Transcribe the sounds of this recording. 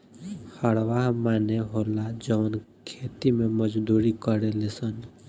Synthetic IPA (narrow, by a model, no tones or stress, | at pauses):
həɽʋaɦmaːneɦolad͡ʒənkʰet̪imeməd͡ʒd̪uɾikəɾelesən